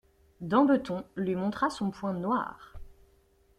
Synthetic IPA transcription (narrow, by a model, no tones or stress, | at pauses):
d̪ɑ̃bət̪ɔ̃lɥimɔ̃t̪χasɔ̃pwɛ̃nwa̰ːʁ